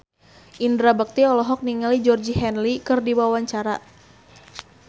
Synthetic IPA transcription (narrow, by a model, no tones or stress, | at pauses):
ʔindɾabək̚t̪iɔlɔɦɔk̚niŋalid͡ʒɔrd͡ʒiɦɛnlikɨrdiwawaɲt͡ʃaɾa